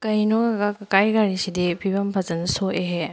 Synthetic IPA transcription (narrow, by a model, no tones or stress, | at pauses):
kɐjnoɡaɡakɐkajɡaɾisidipʰibɐmpʰazɐnsoʔeɦe